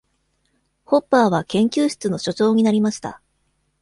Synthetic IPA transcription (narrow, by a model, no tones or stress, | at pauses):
ho̞pːaːβakẽ̞ŋkʲɨːɕi̥t͡sɨno̞ɕo̞t͡ɕo̞ːɲ̟inaɾʲimaɕi̥t̪a̰